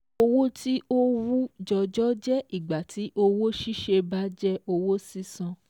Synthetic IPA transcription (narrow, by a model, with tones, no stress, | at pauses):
o˧wo˦ti˦o˦ɾu˦d͡ʒɔ˧d͡ʒɔ˦d͡ʒɛ˦ʔi˨ɡ͡ba˨tʰi˨˦ʔo˧wo˦ʃi˦ʃe˧ba˨˦d͡ʒɛ˦o˧wo˦si˦sã˧